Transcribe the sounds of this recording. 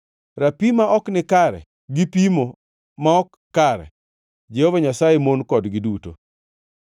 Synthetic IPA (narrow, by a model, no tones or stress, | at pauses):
ɾapimaʔɔknɪkaɾɛ̰ | ɡipimo | maɔkːaɾɛ̰ | d͡ʒehovaɲasajemonkɔdɡɪduto̰